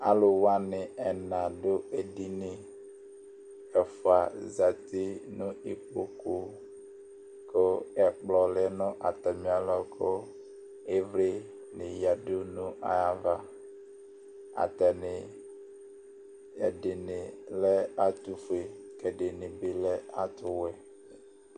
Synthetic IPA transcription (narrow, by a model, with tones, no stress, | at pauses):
a̰˦lʊ˨wa˦nɪ˨ɛ˨nã˨dʊ˦e˨di˦nɪ˨ | ɛ˨fʊ˨a˨za˨t̪ɪ˦nʊ̃˦i˨k͡po˨ku˨ | kʊ˦ɛ˨k͡plɔ˨lɪ˦nʊ̃˦ʔa˨t̪ɛ˨mĩ˨a˦lɔ˦kʰʊ˦ | e˦vɾɪ˦ | nɪ˨ja˨do˦nũ˦ʔa̰˦ja˦va˨ | a̰˨t̪ɛ˨nɪ˨ | a̰˨ɖɪ˨nɪ˨lɛ˦a˦t̪u˦fʊ˨e˨kɛ˨ɖɪ˨nɪ˨bɪ˨lɛ˦a˦t̪ʊ˦wɛ˨